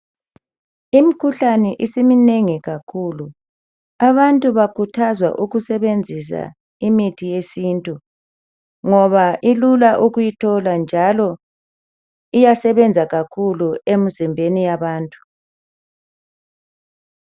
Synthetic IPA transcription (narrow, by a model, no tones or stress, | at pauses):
imikʰuɬanɛʔisimineŋiɣakʰulu | aβantʼuβakʰutʰazwa̰ʔuɣusɛβend͡zʱis̬a̰ | imitʰijesiːntʼu | ŋɔβaʔilulaʔuɣujitʰɔland͡ʒʱalɔ | ijasɛβɛnd͡zʱaɣakʰuluemizimbʱenijaβaːntʼu̥